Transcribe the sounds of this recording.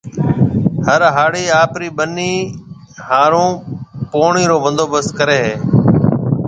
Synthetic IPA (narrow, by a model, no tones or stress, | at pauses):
həɾɦaːɽiːaːpɾiːɓəniː | haːɾõːpoːɳiːɾoːʋə̃nd̪oːbəskəɾeːɦeː